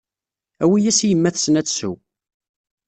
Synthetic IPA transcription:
æwijæsijəmːæθsənæt͡sːsṵ

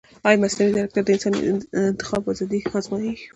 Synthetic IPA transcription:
ɑjmaslamid̪aɾak̚t̪aɾd̪əɪnsɑn̰ɪnt̪ɪ̥xɑbɑzɑd̪ixɑzmɑji

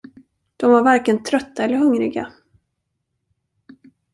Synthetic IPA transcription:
d̪̥ɔmvaɾvaɾkənt̪ʰɾœt̪ʰːaɛlːəɾɦɵŋɾɪɡa̰

